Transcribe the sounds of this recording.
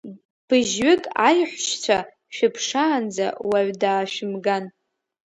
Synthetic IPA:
b̥ɨʒɥɪkʼajħʷʃt͡ɕʷʰa | ʃᶣɪpʰʂaːnd͡za̰waʕʷdaːʃᶣɪmɡan

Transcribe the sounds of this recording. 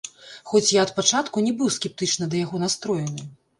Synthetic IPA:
xɔt͡sʲjaɐt̪̚pat͡ʂat̪kunʲɛbɨwskʲɛp̚t̪ɨt͡ʂnɨd̪ɐjaɣɔnast̪ɾɔjɛnɨ

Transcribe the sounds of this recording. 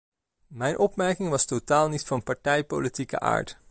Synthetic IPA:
mɛjnʔɔpmɛɹkɪŋʋɑstotaːlˠnitfɑnpɑɹtɛjpo̰litikə̰ʔa̰ːɹt

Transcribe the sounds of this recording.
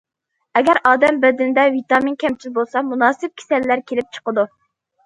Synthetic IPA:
ɛɡʲɛɾɑːd̪ɛmbɛd̪ɪnd̪ɛvit̪ɑminkʲʰɛmt͡ʃʰizbolˠsɑmunɑːsɪp̚kʲʰe̥sɛlːæɾkʲʰelɪp̚t͡ʃʰə̥qəd̪u

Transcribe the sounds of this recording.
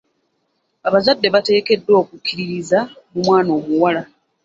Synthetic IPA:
aβazadːe̞βate̞ːke̞dːo̞ːkukʰːiɾiɾiza | mumwaːno̞ːmuwala

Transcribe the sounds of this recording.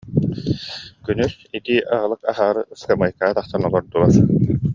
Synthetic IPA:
kynys | it̪iʔaʁɯlˠɯkaɦaːɾɯskamɯjkaːt̪aχt̪anɔlˠɔɾd̪uɾaɾ

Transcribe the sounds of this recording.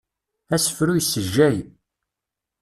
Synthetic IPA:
æsə̥fɾujsːəʒːæj

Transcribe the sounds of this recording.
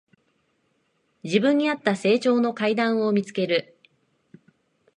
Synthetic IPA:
d͡ʑibɯ̟̃ɲ̟ːiat̪ːase̞ːt͡ɕo̞ːno̞kaid̪ãɰ̃o̞mʲit͡sɨ̥ke̞ɾɯ̟

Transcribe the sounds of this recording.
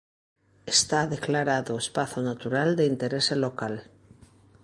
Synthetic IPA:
est̪aðeklaɾaðoespaθonat̪uɾald̪eint̪eɾeselokal

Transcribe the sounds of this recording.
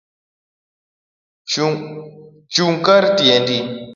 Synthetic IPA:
t͡ʃuŋkaɾtiendi

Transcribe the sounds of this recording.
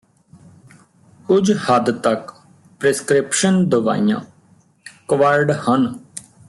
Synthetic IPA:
kʊd͡ʒhəd̪t̪ək | pɾeskɾɪpʃənd̪əʋa̰ːijã̰ː | kəʋəɾɖhən

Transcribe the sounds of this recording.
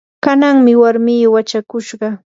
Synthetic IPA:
kanaŋmɪwaɾmijwat͡ʃakʊʃɢɑ

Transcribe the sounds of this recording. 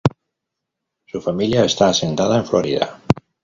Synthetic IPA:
sufamiljaest̪aːsent̪að̞aeɱfloɾiða̰

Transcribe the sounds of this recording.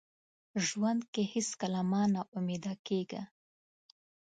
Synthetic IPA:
ʒwand̪kehɪskalamɑnaʔʊmed̪ɑkeɡa̰

